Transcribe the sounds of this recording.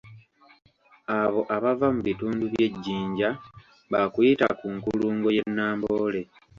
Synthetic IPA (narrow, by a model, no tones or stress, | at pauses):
aβo̞ʔaβavamuβituːnduβje̞ɟːiːɲɟa | βakujita̰kuŋkuluːŋɡo̞je̞nːaːmbo̞ːle̞